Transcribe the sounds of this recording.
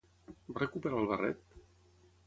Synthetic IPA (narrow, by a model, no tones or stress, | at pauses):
barekupeɾalˠβarɛ̰t̪̚